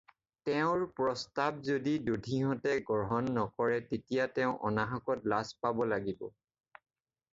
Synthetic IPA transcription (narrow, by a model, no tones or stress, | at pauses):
tɛʊ̃ɹpɹɔstab̚zodidudʱiɦɔtɛɡɔɹɦɔnːɔkɔɹɛtetijatɛʊ̃ʔɔnaɦakɔtlaspabɔlaɡibɔ̰